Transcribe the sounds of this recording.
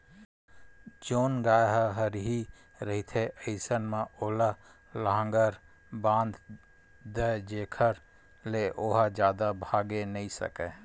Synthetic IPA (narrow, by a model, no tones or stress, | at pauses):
d͡ʒoːnɡaːjɦɦəɾɦi | ɾəɦit̪ʰeʔəɪsənmãʔoːla | ləɦãːŋɡəɾ | bãːnd̪ | d̪əd͡ʒeːkʰəɾ | leʔoːɦad͡ʒjaːd̪abʱaːɡenəĩsə̰kɛː